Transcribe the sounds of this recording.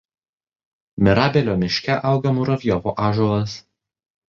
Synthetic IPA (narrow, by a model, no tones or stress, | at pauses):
mʲɪɾɑːbʲɛlʲoːmʲɪʃʲkʲɛʔɐˑʊɡɐmuɾɐʋʲjɔʋoːʔɑːʒulɐs